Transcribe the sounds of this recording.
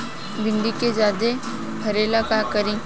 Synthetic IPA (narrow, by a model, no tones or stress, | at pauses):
bɪ̃ɳɖiked͡ʒaːd̪e | pʰɐɾeːlakakəɾĩː